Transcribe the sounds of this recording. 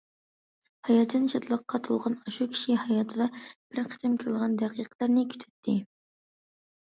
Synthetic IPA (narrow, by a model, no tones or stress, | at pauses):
hɑjɑt̪ʰːɨnʃʰɑt̪lˠəqːɑt̪ʰulˠʁɑnɑʃukʲʰi̥ʃihɑjɑt̪ʰɨd̪ɑb̥ɪɾqʰə̥t̪ʰɪmkʲʰɪlˠʁɑnd̪æqʰiqʰlˠəɾnɪkʲʰy̥t̪ʰy̥t̪ʰːɪ